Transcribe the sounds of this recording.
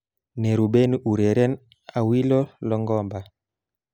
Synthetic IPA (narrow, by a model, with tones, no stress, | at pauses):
nɛ˨ɾu˨bɛ˦niʔu˨ɾɛ˨ɾɛ˦n | a˨wi˦lɔ˦lɔ˦ŋɡɔ˦mba˨